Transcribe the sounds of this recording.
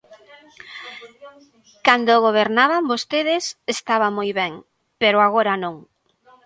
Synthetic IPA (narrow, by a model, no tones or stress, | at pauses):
kand̪oɣoβ̞eɾnaβambost̪eðɪsest̪aβamojβɛŋ | peɾoaɣoɾanõŋ